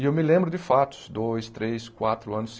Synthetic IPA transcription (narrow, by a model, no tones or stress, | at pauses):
ɪewmɪlẽmbɾʊd̪ɪfat̪ʊ̥sd̪ojst̪ɾeskwat̪ɾʊɐ̃nʊs